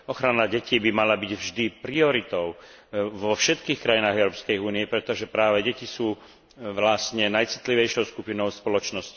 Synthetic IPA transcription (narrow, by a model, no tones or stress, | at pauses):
ɔxɾanaɟɛciːbimalabiɟvʒd̪ipɾiɔɾit̪ɔʊ | ʋɔfʃɛt̪kiːxkɾajinaːɣɛʊɾɔpskɛjuːnijɛpɾɛt̪ɔʒɛpɾaːʋɛɟɛcisuː | ʋlasɲɛnajt͡si̥t̪liʋɛjʃɔʊskupinɔʊspɔlɔt͡ʃnɔsci